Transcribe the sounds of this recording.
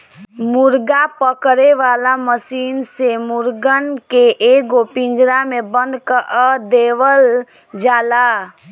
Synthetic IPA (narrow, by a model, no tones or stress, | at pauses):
muɾɡapəkɾeʋalaməsinsemuɾɡənkeʔeɡopĩnd͡ʒɾamebənd̪kəʔd̪eʋəl | d͡ʒaːla